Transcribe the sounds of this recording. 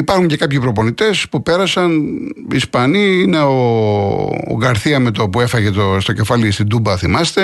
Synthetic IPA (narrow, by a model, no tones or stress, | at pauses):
ipɐɾxuɲce̞kɐpçipɾo̞po̞nit̪e̞spupe̞ɾɐsɐnispɐniine̞o̰ː | ɡɐɾθiɐmet̪opuefɐʝet̪ost̪o̞ce̞fɐlist̪ind̪ubɐθimɐst̪e̞